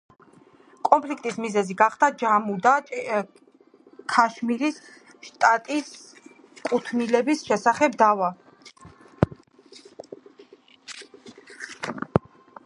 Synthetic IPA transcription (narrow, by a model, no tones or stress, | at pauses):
kʼɔmpʰlikʰt̪ʼismizɛziɡaχd̪ad͡ʒamud̪a | kʰaʃmiɾis | ʃt̪ʼat̪ʼis | kʼut̪ʰnilɛbisʃɛsaχɛb̚d̪ava